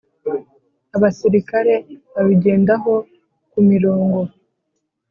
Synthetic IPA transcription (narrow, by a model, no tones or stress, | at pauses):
aβasiɾikaɾe̞βaβiɟe̞ːndaɦo̞ | kumiɾoːŋɡo̞